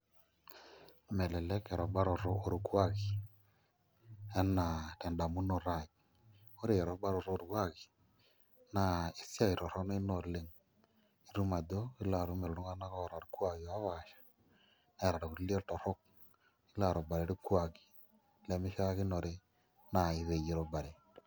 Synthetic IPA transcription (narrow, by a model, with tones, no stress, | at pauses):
mɛ˨lɛ˨lɛ˦kɛ˨ɾɔ˨ba˦ɾo˨ɾoː˦˨ɾu˨kwa˦˨kɪ˨ | ɛ˦nːa˨tɛ˨nda˨mu˦no˨ɾa˦˨k | o˦ɾe˨ɾɔ˨˦ba˦ɾo˨ɾo˦ɾkwa˦ki˨ | na˨i˨sja˦i˨ɾɔ˨ɾɔ˦ne˦no˨le˨ŋ | i˨˦ɾu˦ma˨do˦i˦la˨ɾu˦me˨ɾo˨ɾu˦ŋa˦na˦kɔ˦˨ɾa˨ɾkwa˨ki˨a˦βa˨ʃḁ˨ | na˦˨ɾa˨ɾo˨ku˨li˦e˦tɔ˨ɾo˦k̚ | i˦la˨ɾo˨ba˨ɾe˨˦ɾi˦kwa˨ki̥˨˦ | lɛ˨mɪ˦ʃa˦a˦kɪ˦no˨ɾe˦ | na˨i˨ðe˨je˨ɾo˨ba˨ɾe˨